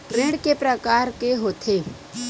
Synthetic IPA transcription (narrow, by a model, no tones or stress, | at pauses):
ʈɾẽːɽkepɾəkaːɾkeɦoːt̪ʰeː